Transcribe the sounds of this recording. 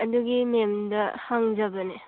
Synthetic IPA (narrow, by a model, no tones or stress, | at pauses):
ɐduɡimemdɐhaŋzɐbɐne